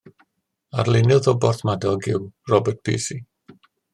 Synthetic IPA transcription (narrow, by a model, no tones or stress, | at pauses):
a̰rlˠɪnɨðɔbɔrθmadɔlˠɡɪwrɔbərt̚pʰḭːsi